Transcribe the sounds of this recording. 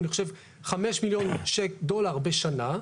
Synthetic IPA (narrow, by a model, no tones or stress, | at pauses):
niχoʃev | χameʃmiljo̞nʃekd̪o̞laʁbeʃana